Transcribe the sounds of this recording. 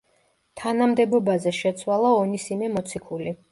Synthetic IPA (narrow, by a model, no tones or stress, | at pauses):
t̪ʰanamd̪ɛbɔbazɛʃɛt̪sʰwalˠaɔnisimɛmɔt̪sʰikʰuli